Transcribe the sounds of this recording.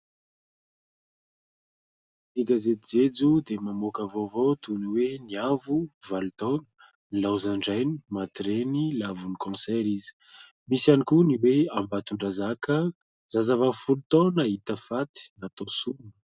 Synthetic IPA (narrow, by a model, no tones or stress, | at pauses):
iɡazet̪id͡zed͡zud̪emamokavovot̪uniweniavuvalut̪onə̥ | nilawzaɳɖ͡ʐajni̥mat̪ɾenilavunikɔ̃sɛɾizi̥ | misanikuniweambat̪uɳɖ͡ʐazakə | zazavafulut̪onaɦit̪əfat̪i̥nat̪osunə̥